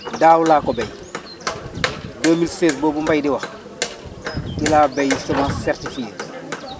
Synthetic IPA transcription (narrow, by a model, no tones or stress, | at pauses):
daːwulaːkɔbɛj | doːmilseːsboːbumbajdiwa | kilaːbejutomãːsɛɾtifiet